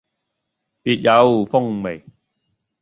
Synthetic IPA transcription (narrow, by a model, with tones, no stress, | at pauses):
piː˨t̚ja˨˧˥wu˨˩fʊ˥ŋme˨˩j